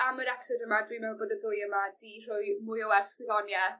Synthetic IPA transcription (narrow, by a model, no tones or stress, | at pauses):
aməɾɛksɔdəmadwimɛwboːdəbʊjəmad̥ir̥ʊjmʊjɔwɛskwɪðɔnjɛ